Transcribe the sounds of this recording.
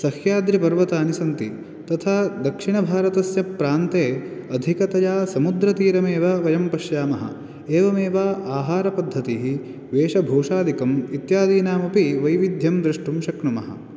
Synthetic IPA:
sɐhjaːd̪ɾipɐɾʋɐt̪aːnisɐnt̪i | t̪ɐt̪ʰaːd̪ɐkʂiɳɐbʱaːɾɐt̪ɐsjɐpːɾaːnt̪eːɐd̪ʱikɐt̪ɐjaːsɐmud̪ɾɐt̪iːɾɐmeːʋaʋɐjɐmpɐʃjaːmɐɦɐ̰ | eːʋɐmeːʋaːʔaːɦaːɾɐpɐd̪ʱːɐt̪iɦi | ʋeːʃɐbʱoːʂaːd̪ʱikɐmit̪jaːd̪iːnaːmɐpiʋɐjʋid̪ʱjɐmd̪ɾiʂʈumʃɐkɳumɐɦɐ̰

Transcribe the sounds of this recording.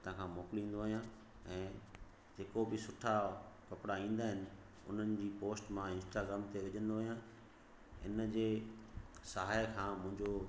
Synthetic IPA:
t̪ɐãkʰãːmoːkɪlĩːn̆d̪oɦɦijã | ɛ̃ː | d͡ʑeːkobɪsʊʈʰakɐpɽaĩːn̆d̪aːɦɪnɪ̆ | ʊ̰n̤ənɪ̆d͡ʑiːpoːsʈmãɪ̃nsʈaːɡɾaːmt̪eʋɐʄə̃nd̪oːɦijã | ɪ̰nəd͡ʑeː | saɦaːjkʰãːmʊ̃ɦɪ̃ɲd͡ʑo

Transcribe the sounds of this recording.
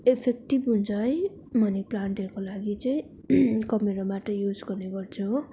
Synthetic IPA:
epʰek̚ʈibɦunt͡sʰʌj | mʌniplandekolaɡit͡sʌĩ | kʌmeɾabaʈʌjud͡zɡʌrneɡʌrt͡sʰu

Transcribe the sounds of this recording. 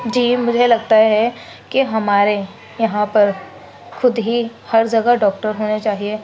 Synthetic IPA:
d͡ʒiːmʊd͡ʒʱelɐɡt̪aɦɛ | kiɦɐmaːɾe | jɐɦãpɐɾ | xʰʊd̪ɦihɐɾd͡ʒɐɡaɖɔːk̚ʈəɾɦoːnet͡ʃaːɦie

